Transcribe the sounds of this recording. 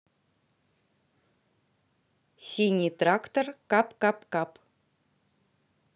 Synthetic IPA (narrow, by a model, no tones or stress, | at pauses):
sʲinʲit̪rakt̪orkɑpkɑpkɑp